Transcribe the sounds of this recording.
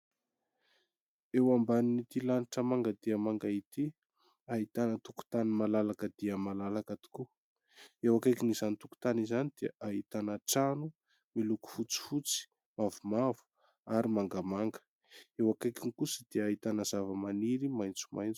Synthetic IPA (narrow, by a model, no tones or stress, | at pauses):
ewambaninit̪ilaniʈ͡ʂəmaŋɡəd̪iəmaŋɡait̪i | aɦit̪anət̪uku̥t̪animalalakəd̪iəmalalakat̪i̥ku | ewakajkinizanit̪uku̥t̪anizanid̪̥eəʔaɦit̪anəʈ͡ʂanu | miluku̥fut͡si̥fut͡si̥ | mavumavu̥ | aɾimaŋɡamaŋɡə̥ | ewakajkinikusəd̪̥eait̪anəz̥avəmaniɾimajnt͡su̥ma̰jnt͡su̥